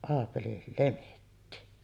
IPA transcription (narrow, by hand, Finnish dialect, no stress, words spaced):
ɑːpeli lemetːi